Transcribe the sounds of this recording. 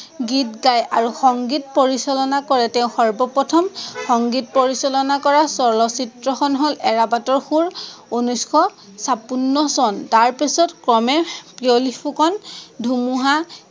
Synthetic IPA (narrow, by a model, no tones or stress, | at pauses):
ɡitɡajaɹuxɔŋɡitpoɹisɔlɔnakɔɹɛtɛʊ̃xɔɹbɔpɔtʰɔmxɔŋɡit̚poɹisɔlɔnakɔɹasɔlɔsitɹɔxɔnɦolɛɹabatɔɹxuɹunuskʰɔ | sapunːɔsɔntaɹpisɔtkɹɔmɛpiolipʰukɔndʱumuɦa